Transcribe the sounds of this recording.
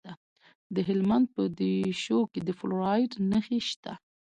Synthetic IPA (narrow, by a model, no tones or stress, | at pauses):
a | d̪əɦɪlmand̪̚pəd̪eʃoked̪əfluɾɑjɖnəxeʃt̪a